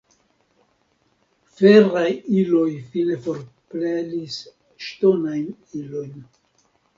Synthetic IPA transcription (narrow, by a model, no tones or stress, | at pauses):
feɾajilo̞jfine̞fo̞ɾplelis | ʃto̞najn | ilo̞jn